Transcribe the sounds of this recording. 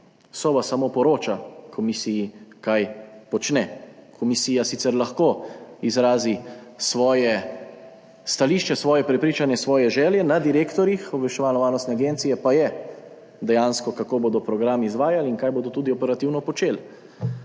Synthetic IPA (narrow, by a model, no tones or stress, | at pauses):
sɔʋasamopɔɾoːt͡ʃakʰɔmisijikajpɔt͡ʃnɛkʰɔmisiːjasit̪sɛɾlaxkoizɾaːzisʋɔːjɛ | st̪aliːʃt͡ʃɛsʋɔːjɛpɾɛpɾiːt͡ʃanjɛsʋɔːjɛʒɛːljɛnad̪iɾeːkt̪ɔɾjixɔbʋɛʃt͡ʃɛʋaːnɔʋaːɾnɔst̪nɛaɡent̪sijɛpajɛ | d̪ɛjaːnskɔkakoːboːd̪ɔpɾɔɡɾamizʋaːjaliŋkajboːd̪ɔt̪uːd̪iɔpɛɾat̪iwnɔpɔt͡ʃeːl